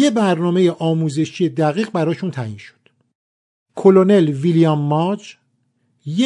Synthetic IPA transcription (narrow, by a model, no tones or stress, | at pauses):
jebæɾnɒːme̞jeʔɒːmuːze̞ʃije̞d̪æɣiːɣbæɾɒːʃunt̪ʰæinʃo̥d̪̥ | kʰo̞lone̞lvilijɒmːɒd͡ʒ | je